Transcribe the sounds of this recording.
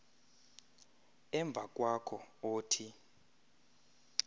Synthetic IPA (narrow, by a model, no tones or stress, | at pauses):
ɛɱb̪vʱak̬ʼwakʰɔoːtʰi